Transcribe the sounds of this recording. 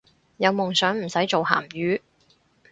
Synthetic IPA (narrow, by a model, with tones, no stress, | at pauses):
jɐ˨˧wmʊ˨ŋsœː˨˥ŋm̩˨˩sɐ˨˥jt͡ʃo˨wha̰ː˨˩mjyː˨˧